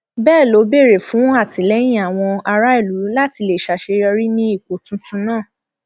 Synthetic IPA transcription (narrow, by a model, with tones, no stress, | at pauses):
bɛː˦˨lo˨˦be˦˨ɾe˨fũ˨˦a˦˨tĩ˨˦lɛ˦j̃ĩ˦a˦˨w̃ɔ̃˧a˧ɾa˦i˦˨lu˨˦la˦ti˧le˨ʃa˨ʃe˧ɔ˧ɾi˦nĩ˦i˦˨k͡po˨˦tũ˦tũ˦nãː˦˨